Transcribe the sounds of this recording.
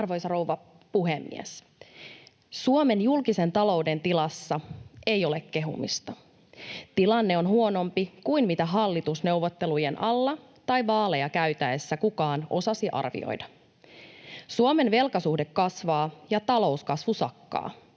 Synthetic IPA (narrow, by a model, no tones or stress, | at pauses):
rʋojsɑro̞uwʋɑ | puɦemːḭæ̰s | suome̞njulkise̞nt̪ɑlo̞ude̞nt̪ilɑsːɑe̞jo̞lekke̞ɦṵmḭst̪ɑ | t̪ilɑnːeo̞nɦuo̞no̞mpikuinmit̪æɦɑlːit̪usne̞wʋːot̪ːe̞lujenʔɑlːɑ | t̪ɑjʋɑːle̞jɑkæyt̪æesːækukɑːno̞sɑsiʔɑ̰rʋḭo̰jdɑ | suome̞nʋe̞lkɑsuhdekːɑsʋɑːjɑt̪ɑlo̞uskɑsʋusɑkːɑ̰ː